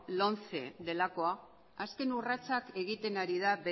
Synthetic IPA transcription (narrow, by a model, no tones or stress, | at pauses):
lo̞nt͡se̞d̪e̞lako̞a | aske̞nurat͡sake̞ɣit̪e̞naɾiðabe